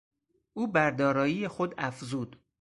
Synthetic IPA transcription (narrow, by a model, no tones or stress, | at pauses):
ʔuːbæɾd̪ɒːɾɒːjiːjexod̪æfzuːd̪